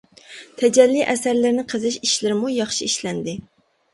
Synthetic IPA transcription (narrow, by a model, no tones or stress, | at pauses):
t̪ʰɛd͡ʒɛlːiʔɛsæɾlɪɾnɪqʰəzɨʃiʃlɪɾɪmujɑχʃiiʃlɛnd̪ɪ